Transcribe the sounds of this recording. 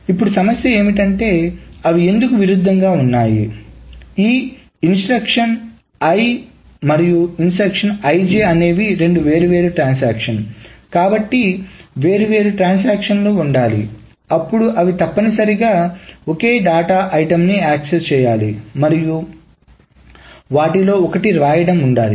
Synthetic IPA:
ipːuɽusɐmɐsjɐe̞ːmiʈ̬ɐɳʈe̞ːɐʋie̞nd̪ukuʋiɾud̪ʱːɐŋɡaːunːaːjḭ | iː | insʈɾɐkʂɐn | ɐj | mɐɾijuinsʈɾɐkʂɐnɐjd͡ʒeːɐne̞ːʋiɾe̞ɳɖuʋe̞ːɾuʋe̞ːɾuʈɾaːnsaːkʂɐnkaːbɐʈːiʋe̞ːɾuʋe̞ːɾuʈɾaːns̬aːkʂɐnloːuɳɖaːlḭ | ɐpːuɽuʔɐʋit̪ɐpːɐnisɐɾiɡaːokeːɖaːʈaːʔɐjʈɐmniaːksest͡ʃɛːjaːlimɐɾiju | ʋaːʈilo̞ːɔkɐʈiɾaːjɐɽɐmuɳɖaːli

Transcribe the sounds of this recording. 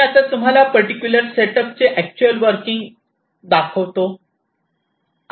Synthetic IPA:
at̪at̪um̤alapəɾʈikʲjuləɾseʈəp̚t͡seʔæk̚t͡ɕuəlʋəɾkiŋɡ | d̪akʰəʋt̪o

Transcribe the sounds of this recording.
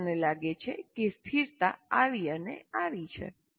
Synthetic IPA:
nelaɡet͡ʃʰekest̪ʰiɾt̪aaʋiənḛaʋit͡ʃʰḛ

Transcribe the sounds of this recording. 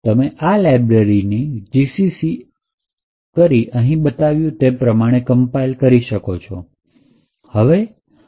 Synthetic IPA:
t̪əmeʔalajbɾeɾinid͡ʒisisi | kəɾiʔəɦĩbət̪aʋjũt̪epɾəmaɽ̃ekəmpailkəɾiʃəkot͡ʃʰɔ | həʋe

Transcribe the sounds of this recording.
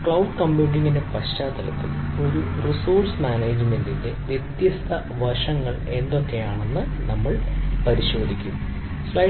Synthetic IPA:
kɭɐwɖkɐmbuːɳɖiŋːinde̞pɐɕt͡ɕaːt̪ːɐlɐ̰t̪ːḭlo̞ɾurisoːrsmaːneːd͡ʑmendinde̞ʋje̞t̪jɐst̪ʰɐ | ʋɐʂɐŋːɐɭe̞nd̪o̞kːe̞jaːɳe̞nːɨnɐmːɐɭpɐɾiɕo̞ːd̪ʱikʲːum | sɭɐ

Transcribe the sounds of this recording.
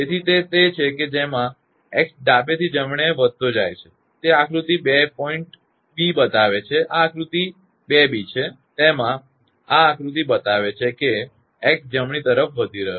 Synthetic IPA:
d͡ʒet̪ʰit̪et̪et͡ʃʰeked͡ʒemã | eksɖabet̪ʰid͡ʒəmɳeʋəd̪̚t̪od͡ʒajt͡ʃʰe̥ | t̪eakɾut̪ibepɔiɳʈ | bibət̪aʋet͡ʃʰeʔaakɾut̪i | bebit͡ʃʰe | t̪emã | aːkɾut̪̬ibət̪aʋet͡ʃʰeke | ekd͡ʒəmɳ̃it̪əɾəfʋəd̪ʱiɾəɦe

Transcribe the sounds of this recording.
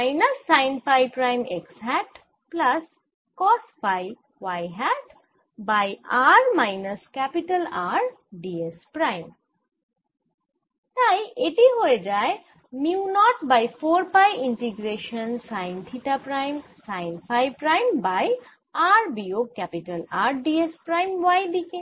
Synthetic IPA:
majnɐsːajnpʰajpɾajmeksɦɛʈ | plɐs | kɔspʰaj | wajɦɛʈ | bajaɾmajnɐskɛpiʈəlaɾɖiespɾajm | ʈajʔeʈiɦoed͡ʒae | miunɔʈbajpʰoɾpajiɳʈiɡɾeʃənsaɪnt̪ʰiʈapɾajmsaɪnpʰajpɾajmbaj | aɾbiokɛpiʈəlaɾɖiespɾajmʋajd̪ike

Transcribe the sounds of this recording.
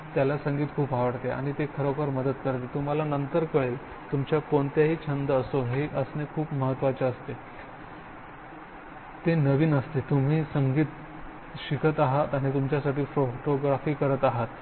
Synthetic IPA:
t̪jalasəŋɡiːt̪kʰuːpɦaʋəɽt̪ea̰ɽ̃it̪ekʰəɾokəɾməd̪ət̪̚kəɾt̪et̪um̤alanənt̪əɾkəɭeːl | t̪umt͡ɕjakoɳt̪jaɦiːt͡ɕʰənd̪əəsoɦeʔəsnekʰuːpməɦət̪ʋat͡ɕeəst̪e | t̪enəʋiːnəst̪et̪um̤iːsəŋɡiːt̪ | ɕikʰət̪aɦat̪aɽ̃ñit̪umt͡ɕjasaʈiːfɾokʈoɡɾafiːkəɾət̪aɦat̪

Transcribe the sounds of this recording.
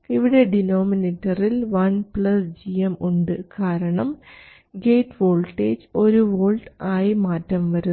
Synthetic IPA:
iʋiɽe̞ɖinoːminetːɐrilʋɐnpɭɐsd͡ʑijɐmuɳɖɨkaːɾɐɳɐm | ɡe̞ːʈːʋo̞ːlʈːeːd͡ʑo̞ɾuʋoːlʈaːjimaːtːɐmʋɐɾu

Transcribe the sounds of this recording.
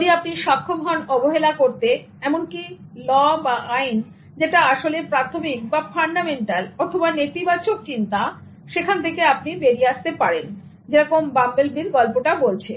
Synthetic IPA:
ɽiapniʃakʰːobʱɔnɔboɦelakoɾt̪e | ɛmonki | lɔbaain | d͡ʑeʈaaʃolepɾat̪ʰomik̚bafʰaɳɖameɳʈalɔɾt̪ʰobanet̪ibat͡ɕok̚t͡ɕint̪a | ʃekʰant̪ʰekeap̚nibeɾieast̪epaɾen | d͡ʑeɾɔkombambelbʱiɾɡɔlpoʈabolt͡ɕʰe

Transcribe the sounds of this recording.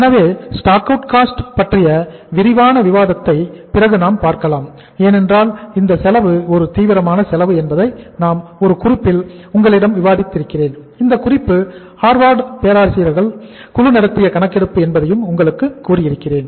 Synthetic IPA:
ɛnɐʋeːsʈaːkɐʈkaːsʈpɐʈrɪjɐʋɪɾɪʋaːnɐʋɪʋaːðɐt̪ːɐɪpɪrɐɣɯnaːmpaːɾkɐlaːm | eːnɛndraːlɪnd̪ɐsɛlɐʋɯɔɾɯt̪iːʋɪɾɐmaːnɐsɛlɐʋɯɛnbɐðɐɪnaːmɔɾɯkʊrɪpːɪlʊŋɡɐɭɪɽɐmʋɪʋaːðɪt̪ːɪɾɯkːɪreːn | ɪnd̪ɐkʊrɪpːɯ | haːɾʋaːɾɖpeːɾaːɾsɪːɾɐɾɣɐɭ | kʊɻɯnɪɽɐt̪ːɪjɐkɐɳɐkːɛɽɯpːɯɛnbɐðɐjɯmʊŋɡɐɭɯkːɯkːuːrɪjɪɾɯkːɪreːn

